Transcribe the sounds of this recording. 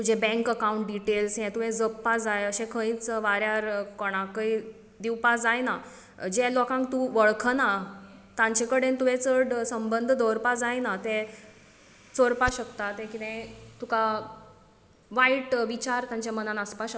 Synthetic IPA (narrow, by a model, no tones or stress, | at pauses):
t̪ud͡ʑʱɛbɛ̃ŋkəkauɳʈ̚ɖiʈelsɦɛ̃t̪uʋẽd͡zəpːad͡zajəɕɛ̃kʰə̃ĩt͡sʋaɾjaɾkɔɽ̃ãkəi | d̪iwpad͡zajna | d͡ʑɛlɔkãŋk̚t̪ũʋəɭkʰnat̪ãɲt͡ɕekəɽent̪uʋẽt͡səɽsəmbənd̪ʱd̪ɔɾpad͡zajnat̪ɛ | t͡soɾpaɕəkt̪at̪ɛ̃kit̪ɛ̃t̪uka | ʋaiʈʋit͡ɕaɾt̪jãɲt͡ɕamənãnəspaɕə